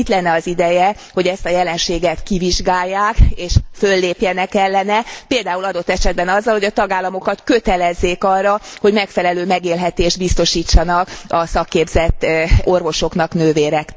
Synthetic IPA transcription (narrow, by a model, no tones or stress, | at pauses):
it̪lɛnːɛɒzid̪ɛjɛ | ho̞ɟɛst̪ɒjɛlɛnʃeːɡɛt̪kiviʒɡaːjːaːkeːʃfølːeːpjɛnɛkɛlːɛnɛpeːld̪aːulɒd̪o̞t̪ːɛʃɛd̪bɛnɒzːɒlhoɟɒt̪ɒɡaːlːɒmo̞kɒt̪kø̞t̪ɛlɛzːeːkɒrːɒho̞ɟmɛkfɛlɛløːmɛɡeːlɦɛt̪eːʒd̪bist̪o̞ʃiːt͡ʃːɒnɒkɒsɒkːeːbzɛt̪ːo̞rvo̞ʃo̞knɒknøːveːɾɛk